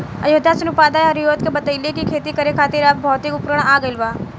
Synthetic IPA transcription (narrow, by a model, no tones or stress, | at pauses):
əjod̪ʱːasɐnʊpaːd̪aːjɐɾjoːt̪̚kebɐt̪əilekikʰeːt̪ikəɾekʰaːt̪ɪɾap̚bʱɔːt̪ikʊpɾəɽ̃aːɡəɪlʋaː